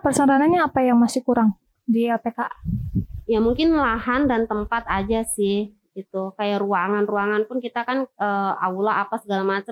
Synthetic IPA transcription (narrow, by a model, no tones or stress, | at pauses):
pərsaɾananɲaːpajaŋmasɪhkuɾaŋ | diapekaʔajamuŋkɪnlahandant̪əmpat̪ad͡ʒasɪh | ɡit̪ukajaʔruaŋanruaŋanpʊnkit̪akanəa̰ulaʔapasəɡalamat͡ʃə